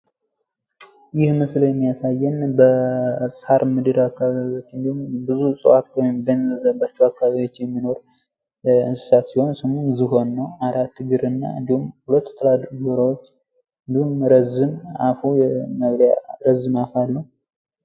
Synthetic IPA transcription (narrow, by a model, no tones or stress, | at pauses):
jɪhmɨsljɛmːijasajːɛnbəshaɾmɨd̪ɨɾakːaβaaβio̞t͡ʃːɨnd̪ihumbɨzusʼɨ̰wat̪ɔjmbənzəbːat͡ʃːɛwakːaβaijwo̞t͡ʃːjɛmːino̞ɾ | ɨnsɨ̥sat̪siho̞nsɨmunzɨɦo̞nːəwaɾat̪ʰːɨɡɨɾɨnːa̰ɨ̰nd̪ihumhulət̪ːt̪ʰəlad̪ɾɡɾawot͡ʃː | ɨnd̪ihumɾəzɨmafujməɡɾjaɾəzɨmafalːəw